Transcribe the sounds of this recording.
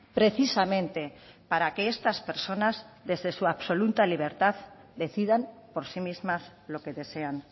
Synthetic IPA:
pɾe̞θisamẽ̞nt̪e̞paɾakeest̪aspe̞ɾso̞nazðe̞zðe̞suaβso̞lut̪aliβ̞e̞ɾt̪að | d̪e̞θiðampo̞ɾsimizmazlo̞ke̞ðe̞se̞an

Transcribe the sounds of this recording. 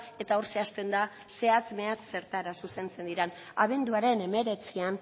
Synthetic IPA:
e̞t̪ao̞ɾse̞ast̪e̞nd̪a | se̞at͡sme̞at͡sːe̞ɾt̪aɾasuse̞nt͡se̞nd̪iɾan | aβe̞nd̪uaɾe̞ne̞me̞ɾe̞t͡sian

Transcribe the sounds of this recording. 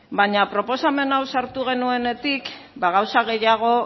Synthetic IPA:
baɲapɾo̞po̞same̞nawsaɾt̪uɣ̞e̞nue̞ne̞t̪ik | baɣawsaɣe̞jaɣ̞o̞

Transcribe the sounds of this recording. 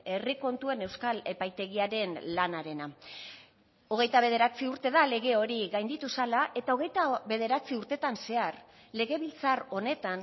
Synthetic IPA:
e̞riko̞nt̪ue̞ne̞wskale̞pajt̪e̞ɣiaɾe̞nlanaɾe̞na | o̞ɣ̞e̞jt̪aβe̞ð̞e̞ɾat͡siuɾt̪e̞ðale̞ɣe̞o̞ɾiɣajnd̪it̪usalaʔe̞t̪ao̞ɣe̞jt̪aβe̞ð̞e̞ɾat͡siuɾt̪e̞t̪anse̞aɾ | le̞ɣe̞βilt͡saro̞ne̞t̪an

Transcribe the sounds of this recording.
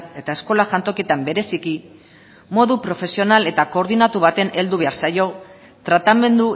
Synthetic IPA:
e̞t̪ae̞sko̞laʝant̪o̞kiet̪ambe̞ɾe̞siki | mo̞ðupɾo̞fe̞sio̞nale̞t̪ako̞ːɾðinat̪uβat̪e̞ne̞ld̪uβe̞aɾsajo̞ | t̪ɾat̪ame̞nd̪u

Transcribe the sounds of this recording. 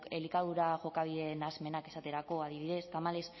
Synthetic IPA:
kelikaðuɾaʝo̞kaβ̞iðenazme̞nake̞sat̪e̞ɾako̞að̞iβiðe̞st̪amale̞s

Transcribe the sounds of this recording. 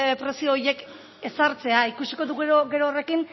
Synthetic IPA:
pɾe̞sio̞ːje̞k | e̞saɾt͡se̞aikusiko̞ðuɣoɡe̞ɾoːre̞kin

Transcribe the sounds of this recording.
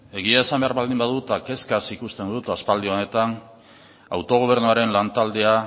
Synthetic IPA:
e̞ɣ̞iae̞sambe̞aɾβald̪imbaðut̪ake̞skasikust̪e̞nd̪ut̪aspald̪io̞ne̞t̪an | awt̪o̞ɣ̞oβ̞e̞ɾnuaɾe̞nlant̪ald̪e̞a

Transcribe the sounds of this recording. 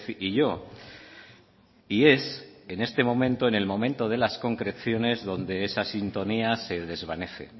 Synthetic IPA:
θiʝo̞ | ie̞se̞ne̞st̪e̞mõ̞mẽnt̪o̞ene̞lmõ̞mẽ̞nt̪o̞ð̞e̞lasko̞ŋkɾe̞θjo̞ne̞zðo̞nd̪e̞esasint̪o̞niase̞ðe̞zβ̞ane̞θe̞̰

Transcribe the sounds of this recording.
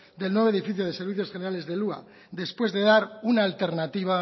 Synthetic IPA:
d̪e̞lnweβoeifiθjoð̞e̞seɾβ̞iθjo̞sχe̞ne̞ɾale̞zðe̞lua̰ | d̪e̞spwe̞zðe̞ðaɾunaːlt̪e̞ɾnat̪iβ̞a

